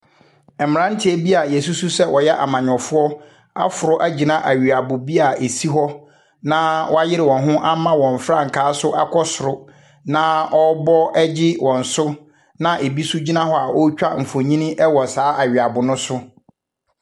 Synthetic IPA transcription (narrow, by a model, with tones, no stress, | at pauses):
ɛ˨mɪ̃˨ɾã˦n̩˦tʰɪ˨˦ɛ˦bi˦a˨jɛ˨su˦su˦sɛ˦wʔɔ˨jɛ˦ʔa̰˨mã˨ɲᶣ˨ɔ˨fʊ˦ɔ˦ | a̰˦fʊ˨ɾʊ˦ʔæ˦d͡ʑi˨nã˦ʔæ˨ɥi˨a˨bʊ˨bi˦a˨e˨si˦ɦɔ˦ | nã˦wɔ˦a˦jɪ˦ɾɪ˨wɔ̃˨nɦʊ̃˦ʔa˦mã˦wɔ̃˨m˨fɾã˦ŋ̩˨kʰaː˨˦sʊ˦ʔa˦kʰɔ˦sʊ˨ɾʊ˦ | nã˦ɔ˦bɔ˦ɛ˦d͡ʑɪ˦wɔ̃˨n̩˨sʊ˦ | nã˦ʔe˨bi˦sʊ˦d͡ʑi˦nã˦hɔ˦a˨ʔo˦t͡ɕᶣa˦m̩˨fo˨ɲĩ˦nɪ̃˦ʔɛ˦wɔ˨saː˨˦ʔa˨ɥi˨a˨bʊ˨nʊ̃˦sʊ˦